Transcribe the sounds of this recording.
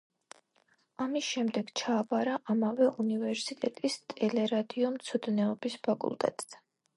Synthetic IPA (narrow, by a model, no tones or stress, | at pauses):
amisʃɛmd̪ɛɡ̥t͡ʃʰaːpʼaɾaʔamavɛʔunivɛɾsit̪ʼɛt̪ʼist̪ʼɛlɛɾad̪iɔmt̪sʰɔd̪nɛɔbispʰakʼṵlˠt̪ʼɛ̰t̪ʼz